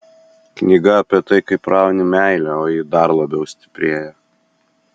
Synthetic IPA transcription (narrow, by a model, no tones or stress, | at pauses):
knʲɪɡɐɐpʲet̪ɐɪkɐɪpɾʔɑˑʊnʲɪmʲæˑɪlʲɛoːjɪd̪ɐɾlˠɐbʲɛʊsʲt̪ʲɪ̥pʲɾʲeːjɛ